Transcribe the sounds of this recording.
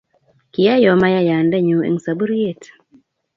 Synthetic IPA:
ki˨ja˦jɔ˨ma˦ja˦ja˨ndɛ˦ɲu˨˦ḛ˨ŋsa˨bu˦ɾi˦je˦˨t

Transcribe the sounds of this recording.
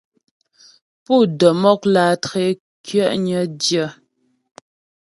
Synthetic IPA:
pu˦˨də˨mɔ˦klaː˨tɣe˦ | kɥɛ˦˨ʔɲə˨˦djə˦˨

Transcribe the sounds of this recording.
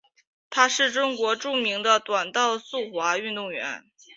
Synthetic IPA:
t̪ʰa˥ʂɻ̩˥˩ʈ͡ʂʊ˥ŋkwɔ˧˥ʈ͡ʂu˥˩mi˧˥ŋd̪ə˧t̪wa˨˩nt̪ɑ˥˧ʊsu˥˩xwa˧˥y˥˧nt̪ʊ˥˩ŋɥɛ̰˧˥n

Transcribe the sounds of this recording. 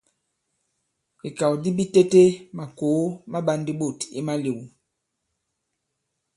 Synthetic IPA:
i˨ka˨wdi˦bi˦te˦te˦ma˨ko˨˦ma˦ba˦ndi˦bo˦˨ti˦ma˦le˨wu˨

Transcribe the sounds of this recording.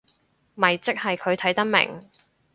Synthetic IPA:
mɐ˨˩jt͡sɪ˥k̚hɐ˨jkʰɵ˨˧ɥt̪ʰɐ˨˥jt̪ɐ˥k̚mɪ̰˨˩ŋ

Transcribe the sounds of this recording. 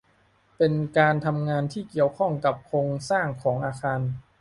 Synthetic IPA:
pe˧nkaː˧nt̪ʰa˧mŋaː˧nt̪ʰiː˥˩ki˨˩əwkʰɔ˥˩ŋka˨˩p̚kʰɾoː˧ŋsaː˥˩ŋkʰɔː˩˦ŋʔaː˧xʰaː˧n

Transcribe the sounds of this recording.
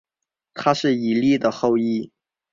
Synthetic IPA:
t̪ʰa˥ʂɻ̩˥˩i˨˩li˥˩d̪ə˩xo˥˧ʊi˥˩

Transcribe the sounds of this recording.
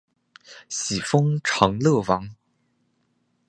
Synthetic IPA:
ɕi˨˩fɤ˥ŋʈ͡ʂʰɤ˧˥ŋlɤ˥˩wɑ˧˥ŋ

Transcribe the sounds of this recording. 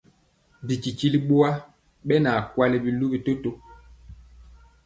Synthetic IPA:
bi˨ki˨ki˦li˦ɓo˦a˦ | ɓɛ˦na˨kwa˦lɛ˦bi˨lu˦bi˦to˦to˦

